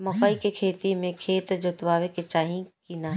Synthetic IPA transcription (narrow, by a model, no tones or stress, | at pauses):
mɔkaikekʰeːt̪imẽkʰeːt̪d͡ʑoːt̪ʊʋaːʋeket͡ɕaːɦĩkina